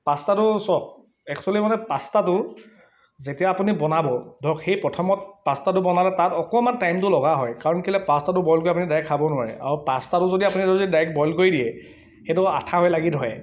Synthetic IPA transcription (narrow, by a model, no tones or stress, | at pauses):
pastatʊsɔk̚ | ɛksualimanɛpastatʊ | zetijaːpunibɔnabɔdʱɔkxejpɹɔtʰɔmɔt̚pastatʊbɔnalɛtatɔkɔmantajmtʊlɔɡaɦɔjkaɹɔnkilɛpastatʊbɔjlkojap̬unidajkʰːabɔnʊwaɹɛ̰ʔa̰ɹupastatʊzodiapunitɔzodidajk̚bɔjlkojdijɛ | xetʊatʰaɦɔjlaɡitɦɔj